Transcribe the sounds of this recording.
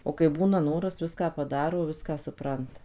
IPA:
oː kɐɪ ˈbuːnɐ ˈnoːrɐs ˈʋʲɪskɑː pɐˈdɑːroː ˈʋʲɪskɑː sʊˈprɐntɐ

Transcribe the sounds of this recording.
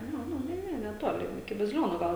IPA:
ˈnʊ ˈnʊ ˈnʲɛ ˈnʲɛ nʲɛˈtoːlʲɪ ɪkʲɪ bɐzʲɪˈlʲoːnuː ˈɡɐlˠ

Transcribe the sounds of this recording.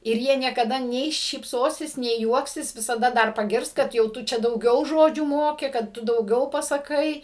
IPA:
ɪr ˈjiɛ nʲiɛkɐˈdɐ nʲɛɪ ʃʲiːpˈsoːsʲɪs nʲɛɪ ˈjuɔksʲɪs ʋʲɪsɐˈdɐ ˈdɐr pɐˈɡʲɪrs kɐt jɛʊ ˈtʊ ˈt͡ʃʲɛ dɐʊˈɡʲɛʊ ˈʒoːd͡ʒʲuː ˈmoːkʲɪ kɐt ˈtʊ dɐʊˈɡʲɛʊ pɐsɐˈkɐɪ

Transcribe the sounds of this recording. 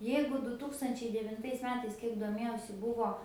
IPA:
ˈjɛɪɡʊ dʊ ˈtuːkstɐnʲt͡ʃʲɛɪ dʲɛʋʲɪnˈtɐɪs ˈmʲæːtɐɪs ˈkʲiɛk doːˈmʲeːjɛʊsʲɪ ˈbʊʋoː

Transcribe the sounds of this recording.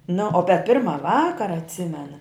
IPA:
nʊ oː pʲɛ ˈpʲɪrmɐ ˈʋɑːkɐrɐ ɐtʲˈsʲɪmʲɛnɐ

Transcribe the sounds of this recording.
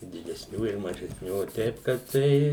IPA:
ɪ dʲɪdʲɛsʲˈnʲuː ɪr mɐʒʲɛsʲˈnʲuː oː ˈtʲɛɪp kɐt ˈtɐɪ

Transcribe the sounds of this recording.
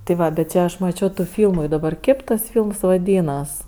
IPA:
tʲɪ ˈʋɐ bʲɛt ˈt͡ʃʲɛ ɐʃ mɐˈt͡ʃʲoː tuː ˈfʲiːlˠmʊ ɪ dɐˈbɐr ˈkʲeːp tɐs ˈfʲiːlˠms ʋɐˈdʲiːnɐs

